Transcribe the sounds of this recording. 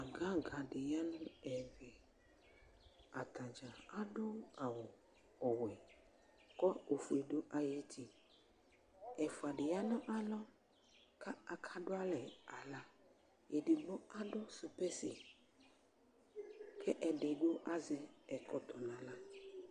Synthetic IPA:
a˨ɡã˦ɡa˨ɖɪ˨ja˦nʊ̃˦ɛ˨vɛ˨ | a˨t̪a˨d͡ʒa˨a˦ɖo˦a˨wɔ˨ | ɔ˨wɛ˨ | kɔ˦o˨fu˨e˨do˦ʔa˨je˦t̪ʰi˨ | ɛ˨fo˨a˨ɖɪ˨ja˦nɔ̃˦ʔa˦lɔ˦ | ka˦˨kʰa˦ɖo˦a˦lɛ˨a˨la˦ | jɛ˨ɖɪ˨nõ˦a˦ɖɔ˦su˨pɛ˦sɪ˨ | kʰɛ˦ʔɛ˨ɖe˨ɡ͡bo˦ʔa˦zɛ˦ɛ˨kɔ˦t̪ʰɔ˨nã˨la˦

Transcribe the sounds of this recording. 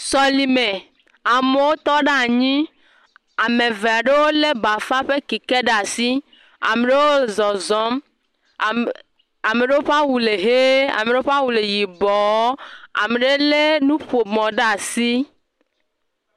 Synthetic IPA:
sɔ˨li˨me˨ | a˨me˨˦wo˦t̪ɔ˦ɖa˦a˨ɲĩ˦ | a˨me˨ve˨a˨ɖe˦wo˦le˦ba˨fa˦ɸe˦ki˨ke˦ɖa˨si˦ | a̰˨me˨ɖe˦wo˦zɔ˨zɔ˦m˨ | a˨me˨ɖe˦wo˦ɸa˦wu˨le˨ɦe˦a̰˨me˨ɖe˦o˦ɸa˦wu˨le˨ji˨bɔ˨˦a̰˨me˨ɖe˦le˦nũ˦ɸo˨mɔ̃˨ɖe˦a˨si˦

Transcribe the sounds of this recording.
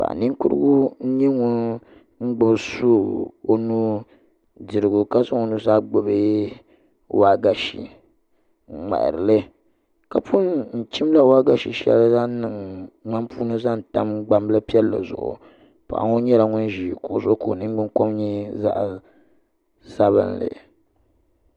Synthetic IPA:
pa̰˨ni˦ŋkʊ̰˦ɾɨ̰˦ɡu˦ɲɛ˦ŋʊ˦n | ŋ͡m̩˦ɡ͡bʊ˨bsu˦o˦nu˦ | dɨ˨ɾɨ˨ɡʊ˨ka˦za˦ŋo˨nu˦za˦ɡ͡bo˨be˦ | wa˦ɡa˨ʃḭ˨ | ŋ͡ma̰˨ɾɨ˨lɨ˦ | ka˨pʰʊ˦nn̩˨t͡ʃi˦m˦la˦wa˦ɡa˨ʃi˨ʃɛ̰˦lza˦nɨ˨ŋŋ͡ma˦mpʰuː˦nɨ˦za˦n˨ta˦mɡ͡ba˦mbla˦pi˦ɛ˦lːa̰˨zʊ̰˨ʔʊ̰˨ | pa̰˨ʔa̰˨˦ŋo˦ɲɛ˦la˨ŋʊ˦nʒi˨ko˨ʔzʊ˦ko˨nɨ˦ŋ˦ɡ͡bɨ˦ŋko˦mɲɛ˦za̰˦ʔ | sa˦βɨ̰˨nlɨ̰˨

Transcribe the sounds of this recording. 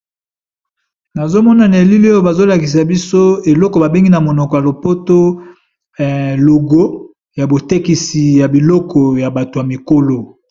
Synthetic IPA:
na˨zo˦mɔ˦na˨ne˨li˦li˦o˦jo˦ba˨zo˦la˨ki˨s̬a˨bi˦so˦e˨lɔ˦kɔ˨ba˨be˦ŋɡi˦na˨mo˨nɔ˨kɔ˨ja˨lo˨po˦to˦˨ | lo˨ɡo˦ | ja˨bo˨te˦ki˨si˨ja˨bi˨lɔ˦kɔ˨ja˨ba˨to˨ja˨mi˨ko˦lo˦

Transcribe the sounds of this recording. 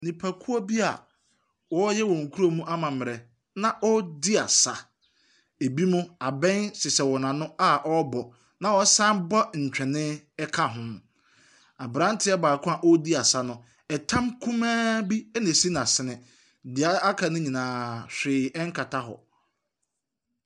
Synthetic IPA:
nĩ˨pʰa˨kʰu˦ɔ˦bi˦a̰˨ | wɔ˦jɛ˦wɔ˨ŋ̩˨kʰu˦ɾo˦mũ˦ʔa˦mã˨mɪ̃˨ɾɛ˨ | nã˦ʔɔ˦dɪ˦a̰˨sa˨ | e˨bi˦mʊ̃˦a˨bɛ̃˦nsɪ˨sɛ˨wɔ˨nã˨nʊ̃˦a˦ʔɔ˦bɔ˨ | nã˨wɔ˦sã˦mbɔ˦ɲ̩˨t͡ɕᶣɛ˨nɪ̃˦ɛ˦kʰa˦ɦʊ̃˦ | a˨bɾã˦n˦tʰɪ˦ɛ˦baː˨kʰʊ̃˦a˨ʔɔ˦di˦a˨sa˦nʊ̃˨ | ɛ˨tʰã˦mkʰũ˦mãː˦bi˦ɛ˦nɪ̃˨si˦nã˨sɪ˨nɪ̃˨ | dɪ˨a˦a˦kʰa˨nʊ̃˦ɲĩ˨nãː˨ɕᶣɪː˨ɛ˦ŋ̩˦kʰa˨tʰa˦ɦɔ̰˨

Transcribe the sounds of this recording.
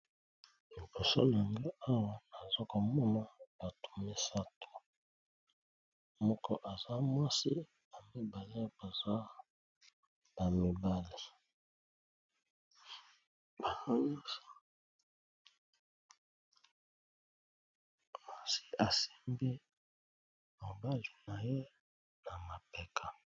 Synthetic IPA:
mi˨bo˨so̰˦la˨ŋɡi˦a˦wa˦na˨za˦ko˨mɔ˦na˦b̥a˨tu̥˨me˦sa˦to̥˨ | mɔ˦kɔ˦ʔa˨za˦mwa˦si˦ | ba˨mi˨ba˨li˦b̥a˨za˦ | b̥a˨mi˨ba˦li˨ | b̥a˨za˦m˦ɔ˦sɔ˦ | a˦˨si̥˦a˨si̥˦mbi˦ | mo˨ba˦li˨na˨je˦ | na˨ma˨pɛ˨kʰa˨

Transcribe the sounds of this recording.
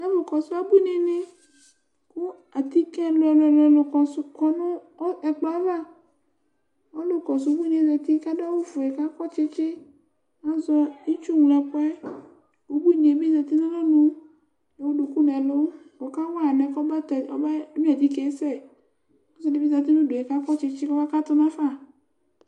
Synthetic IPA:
na˦vo˨kɔ˨sʊ˦a˦bu˦ne˨ne˦ | ku˦ | a˨t̪i˦kɛ˦llɔ˨lɔ˨lo˨kɔ˨sʊ˦kɔ˨nʊ̃˦ | ɛ˨k͡pa˦va˦˨ | wɔ˦lo˨kɔ˨s̬ʊ˨˦bu˦nẽ˨zɛ˨t̪i˦ka˦da˦wo˦vʊ˨ɛ˨ka˦kɔ˦t͡ʃɪ˦t͡ʃɪ˦ | a˦zɔ˦i˦t͡ʃu˦ŋũ˨lɛ˨pɛ˦ | o˨bu˦ɲe˨bi˦za˨˧t̪i˦nõ˦a˦nũ˨ | e˨wo˦du˨ku˦nɛ˨lo˦ | wɔ˨ka˦wnɛ˨kɔ˦ba˦t̪ɛ˨ɔ˦ba˦ɲũ˦a˨d̪i˦kɛ˦sɛ˦˨ | ku˦sɛ˦ne˦bi˦za˨t̪̬i˦nũ˦do˨ɛ˨ka˦kɔ˦t͡ʃɪ˧t͡ʃɪ˦kɔ˦ba˦ka˦t̪ɔ˦nã˦fa˦˨

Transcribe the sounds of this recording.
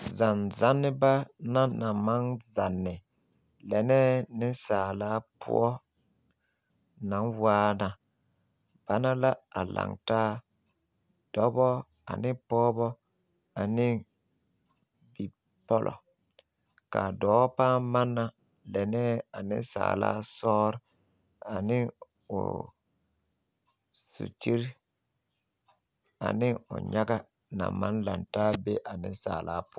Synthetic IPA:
za˨nza˦nːɪ˦ba˦na˦na˨ma˦ŋza˨nːɪ˨ | lɛ˨nɛ˦nɪ˦saː˨laː˨˦pʰʊ̰˦ɔ˦ | na˨nwaː˦na˨ | b̥a˦na˦la˦a̰˨la̰˨ŋtaː˦ | d̥ɔ˨˦bɔ˦ | a̰˨nɪ˦pɔː˦bɔ˦ | a˨nɪ˦ | bi˨ | pɔ˦lʔɔ̰˨ | ka˨dɔː˨˦paː˦ma˦nːa˨ | lɛ˨nɛ˦a˨nɪ̰˦sa̰ː˨la̰ː˦sɔː˦ɾ | a˨nɪ˦ | ʊ̰˨ | sṵ˨t͡ʃi˦ɾ | a̰˨nɪ˦ʊ̰˨ɲa˦ɡa˦ | na̰˨ma˦nla˨ntaː˦be˦ʔa˨nɪ˦saː˨la̰ː˦pʊ˦

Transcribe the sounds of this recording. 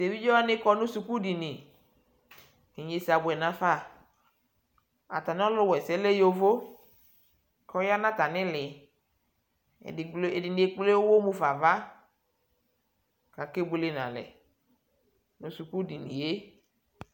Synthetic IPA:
se˨vi˦d͡ʒɔ˦a˦nɪ̃˦kɔ˦nʊ̃˦su˨ku˦di˨nɪ̃˨ | ɪ˨ɲe˨si˨a˨bʊ˨ɛ˨nã˨fa˦˨ | a̰˨ta˨nɪ˦ɔ˦lʊ˦wɛ˨sɛ˨˦le˦jo˦vo˦ | kʰɔ˦ja˦nã˦ta˨nɪ̃˦lɪ˨ | ɪ˨le˨dɪ˨nɪ˨e˦k͡ple˦wwo˦mũ˦fa˨va˦ | ka˨ke˦bʊ˨lɪ˦nã̰˨lɛ̰˨ | nʊ̃˨su˨ku˦di˨nɪ̰̃˨je˦

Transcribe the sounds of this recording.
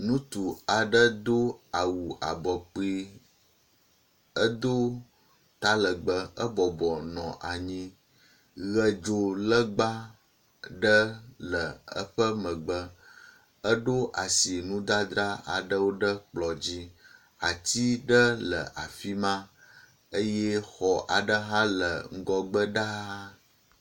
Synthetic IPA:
nũ˦t̪u˨a˨ɖə˦d̪o˦a˨wu˨ʔa̰˨bɔ˨k͡pi˦ | ə˦d̪o˦ | t̪a˦lə˨ɡ͡bə˦ə˦bɔ˨bɔ˨nɔ̃˨ʔa˨ɲĩ˦ | ɣə˦d͡ʒo˦lə˦ɡ͡ba˦ | ɖə˦lə˨ə̰˦ɸə˦mə̃˨ɡ͡bə˦ | ə˦ɖo˦ʔa˨si˨nũ˦d̪a˦d̪ɾa˦a̰˨ɖə˦wo˦ɖə˦k͡plɔ˨d͡ʑi˦ | a˨t̪i˦ɖə˦lə̰˨ʔa˨fi˦mã˦ | ə˦jɛ˦xɔ˨ʔa˨ɖə˦ɦã˦lə̰˨ŋ̩˦ɡɔ˦ɡ͡bə˦ɖa˦a˦

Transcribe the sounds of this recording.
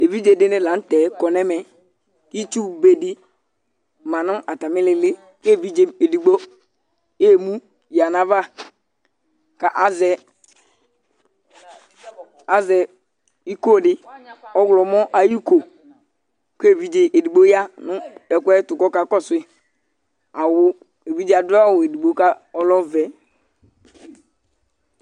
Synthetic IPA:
e˨vi˦d͡ʒe˨dɪ˦nɛ˦la˨˦n̩˦tɛ˨˦kɔ˨nɛ˦mɛ˨ | i˦t͡ʃu˦be˨di˦ | mã˨nʊ̃˦a˨ta˨mɪ˦lɪ˨lɪ˦ | ke˦˨vi˦d͡ʒe˨e˨di˨ɡ͡bo˦ | e˦˨mu˦ | ja˨na˨va˦˨ | ka˨ʔa˦zɛ˨ | a˨zɛ˨ | i˦ko˦˨dɪ˦ɔ˦ɡlɔ˨mɔ˦ʔa˨ji˦ko˨ | ke˦˨vi˨˦d͡ʒe˨e˨di˨ɡ͡bo˦ja˦nʊ˦ɛ˨kʷɛ˦tʊ˨kɔ˦ka˨˦kɔ˦˨sʊ˨e˦ | a˨wʊ˦ | e˨vi˦d͡ʒe˦a˨dʊ˦a˦˨we˨di˨ɡ͡bo˦ka˦ɔ˦lɔ˦vɛ˨

